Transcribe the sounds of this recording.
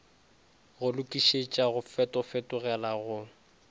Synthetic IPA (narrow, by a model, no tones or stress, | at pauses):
ɣʊlʊkʼiʃet͡ʃʼaɣʊfɛtʼɔfɛtʼʊɣɛlaɣʊ